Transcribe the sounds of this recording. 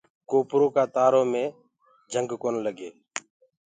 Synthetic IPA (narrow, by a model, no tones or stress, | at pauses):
koːpɾoːkaːt̪aːɾoːmẽː | d͡ʒʱəŋɡkoːnləɡeː